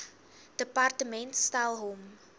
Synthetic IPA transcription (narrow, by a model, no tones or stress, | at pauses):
d̥əpartəmɛntstalˠɦom